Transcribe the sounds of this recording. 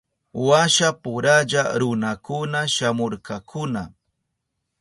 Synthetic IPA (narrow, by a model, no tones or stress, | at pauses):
waʃapʊɾaʎaɾʊnakʊnaʃamoɾkɑkʰʊna